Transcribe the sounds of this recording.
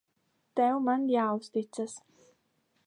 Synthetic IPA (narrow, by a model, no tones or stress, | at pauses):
t̪ɛwmanjaːust̪it̪sas